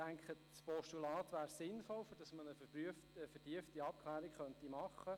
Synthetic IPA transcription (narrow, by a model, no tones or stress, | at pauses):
æŋkχə | spɔʃtulɑːt̪ʋæːɾsɪnfɔlfʏɾd̥ɑsmənəfəbyəfəfɛɾd̥iəftiɑp̚kʰχlæːɾikχœntimɑχːə